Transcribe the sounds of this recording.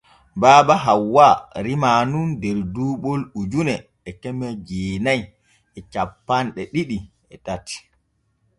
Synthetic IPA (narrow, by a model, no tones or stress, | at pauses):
baːbaɦawːaɾimaːnundɛɾduːɓolud͡ʒunɛ | ɛkɛmɛd͡ʒeːnaj | ɛt͡ʃapːanɗɛɗiɗi | ɛtatːi̥